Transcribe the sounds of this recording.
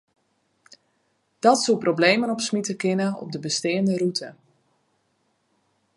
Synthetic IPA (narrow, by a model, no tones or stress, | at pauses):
d̥ɔtsuprobleːjmənɔpsmitəkɪnəɔ̰p̚dəbəsteːəndərutʰə